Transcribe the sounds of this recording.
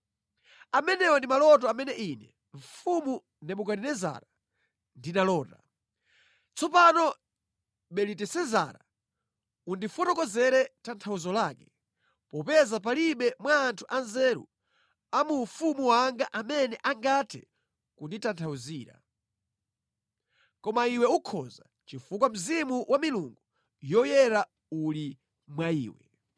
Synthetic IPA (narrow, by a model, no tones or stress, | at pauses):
amɛnɛwɔndimalɔt̬ɔamɛnɛʔinɛ | ɱ̩fumu | nɛmukaninɛza̰ɾa | ndinalɔːta | t͡sɔpanɔ | ɓɛlitɛsɛza̰ɾa | undifɔtɔkɔzɛɾɛtantʰauzɔlakɛ | pɔpɛzap̬aliɓɛmwaːntʰuʔanzɛɾṵ | amufumuwaŋɡaʔamɛnɛʔaŋɡatʰɛ̰ | kunditantʰauziːɾa̰ | kɔmaiwɛukʰɔ̰za | t͡ʃifuk̬wam̩zimuwʔamiluŋɡu | jɔjɛɾa | uli | mwaḭːwɛ̰